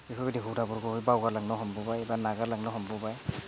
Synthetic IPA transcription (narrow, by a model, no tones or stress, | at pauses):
biɦʰubadiɦudabɔɾɡɔhujbawɡaɾlaŋnɔɦɔmbɔbajbanaɡalaŋnɔɦɔmbɔbaj